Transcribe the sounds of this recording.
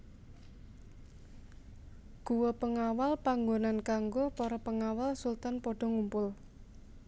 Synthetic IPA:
ɡ̥uwɔpəŋawalpaŋɡonankaŋɡopɔɾɔpəŋawalsult̪anpɔɖ̥ɔ̤ŋumpʊl

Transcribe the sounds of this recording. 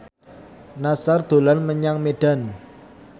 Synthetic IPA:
nasard̪̥o̤lanməɲaŋmeɖ̥a̤n

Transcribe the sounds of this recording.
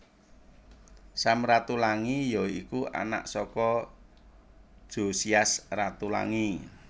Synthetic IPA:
samrat̪ulaŋijɔikuʔa̰na̰ʔsɔkɔ | d̥ʒ̥o̤siasrat̪ula̰ŋi

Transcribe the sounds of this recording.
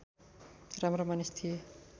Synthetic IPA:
ramromanest̪ʰie

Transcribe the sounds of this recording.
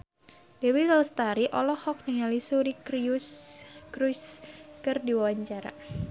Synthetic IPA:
dewit̪ɔlst̪aɾiʔɔlɔhɔk̚niŋalisuɾikɾiuskɾuskɨrdiwawaɲt͡ʃaɾa̰

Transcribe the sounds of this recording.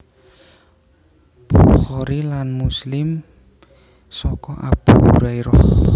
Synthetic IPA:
b̥uχɔɾilanmuslɪm | sɔkɔʔab̥uṵɾaiɾɔh

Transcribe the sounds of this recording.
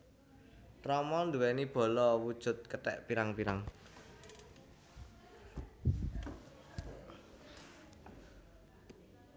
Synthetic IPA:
rɔmɔnd̪uwɛnib̥ɔ̤lɔwud̥ʒ̥ʊ̤t̪̚kət̪ɛʔpiɾaŋpiɾaŋ

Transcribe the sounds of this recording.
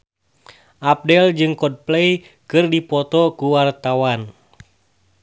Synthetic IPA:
ʔap̚dɛld͡ʒɨŋkɔd̚plɛj | kɨrdipɔt̪ɔkuwart̪awan

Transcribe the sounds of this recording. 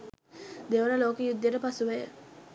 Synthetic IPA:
d̪eʋənəloːkijud̪ːjeɾəpasuʋejə̰

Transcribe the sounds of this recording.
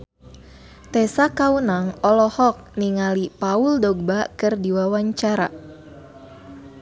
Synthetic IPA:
t̪ɛsakaunaŋɔlɔhɔk̚niŋalipauldɔɡ̚bakɨrdiwawaɲt͡ʃaɾa̰

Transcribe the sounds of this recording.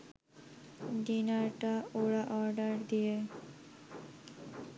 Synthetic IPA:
d̪inaɾʈaoɽaʔɔɾɖəɾd̪ije

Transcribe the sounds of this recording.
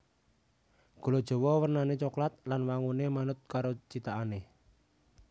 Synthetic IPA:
ɡ̥o̤lod̥ʒ̥ɔ̤wɔwərnanet͡ʃoklat̪̚lanwaŋunemanʊt̪̚kaɾot͡ʃit̪aʔane

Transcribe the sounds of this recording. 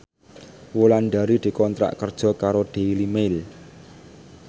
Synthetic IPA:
wolanɖaɾid̪̥i̤kɔnt̪ɾa̰ʔkərd̥ʒ̥ɔ̤kaɾoɖ̪̥e̤limel

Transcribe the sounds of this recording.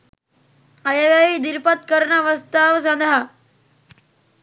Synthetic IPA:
ɐjeʋjaʋiːd̪iɾpət̪̚kəɾɳaʋəst̪aʋs̬ənd̪ʱa

